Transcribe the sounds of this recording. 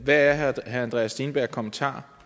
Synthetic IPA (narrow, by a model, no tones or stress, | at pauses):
ʋææɐɦæænd̥ʁɛ̰ːsd̥iːnb̥æɐ̰ɡ̥̚kʰɒ̽mənt͡sʰɑ̰̈ː